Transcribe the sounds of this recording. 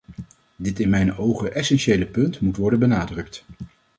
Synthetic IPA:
dɪtɪnmɛjnowχəʔɛsɛnʃejləpɵntmutʋɔɹdənbənaːdrɵkt

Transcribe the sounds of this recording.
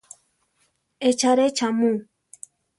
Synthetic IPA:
et͡ʃaɾet͡ʃamũ

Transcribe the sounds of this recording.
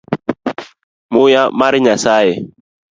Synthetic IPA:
mujamaɾiɲasajɛ

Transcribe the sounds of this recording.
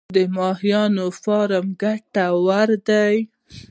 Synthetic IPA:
d̪əmɑhjɑnofɑɾəmɡaʈawaɾd̪aj

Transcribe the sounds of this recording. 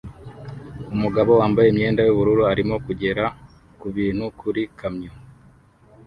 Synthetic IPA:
umuɡaβo̞waːmbajemɲe̞ːndajuβuɾuɾuaɾimo̞kuɟe̞ɾa | kuβiːn̥hukʰuɾikamɲo

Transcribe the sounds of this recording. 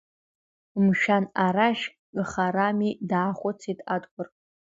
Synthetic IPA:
mʃᶣanaɾaʃ | ɡχaɾamidaːχʷʊt͡sʰitʼadʼɡʷʼʊr

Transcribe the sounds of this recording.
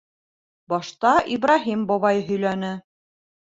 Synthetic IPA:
bɒʃt̪ɑʔibrɑɦimbɒβɑjɦɵ̆jlænɘ

